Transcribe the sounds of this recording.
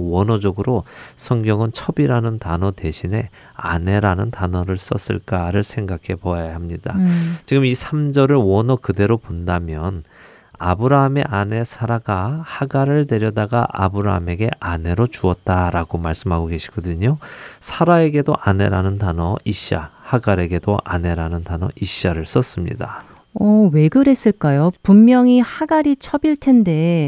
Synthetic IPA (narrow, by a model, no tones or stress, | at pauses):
wʌnʌd͡ʑʌɡɯɾosʰʌŋɡjʌŋɯnt͡ɕʰʌbiɾanɯntanʌte̞ɕʰine̞ | a̰ne̞ɾanɯntanʌɾɯɭs͈ʌ̰s͈ɯ̰ɭk͈aɾɯɭsʰe̞ŋɡakʰe̞pojaɦamɲidat͡ɕiɡɯmisʰamd͡ʑʌɾɯɭwʌnʌkɯde̞ɾopondamjʌn | abɯɾaɦame̞̰ʔane̞sʰaɾaɡahaɡaɾɯɭne̞ɾjʌdaɡa̰ʔa̰bɯɾa̰ɦame̞ɡe̞ʔane̞ɾot͡ɕuʌt̚t͈aɾaɡomaɭs͈ɯmɦaɡoɡe̞ɕʰi̥ɡ̥ʌdɯɲosʰaɾae̞ɡe̞doʔane̞̰ɾanɯntanʌiɕ͈a̰haɡaɾe̞ɡe̞doʔane̞ɾanɯntanʌ̰ʔiɕ͈aɾɯɭs͈ʌs͈ɯmɲḭda | ʌwe̞ɡɯɾe̞s͈ɯɭk͈ajopumːjʌŋihaɡaɾit͡ɕʰʌbiɭtʰe̞nde̞